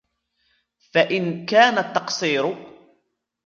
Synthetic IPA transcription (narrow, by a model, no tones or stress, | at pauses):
faʔɪnkaːnat̪ːɑqsˤiːɾʊ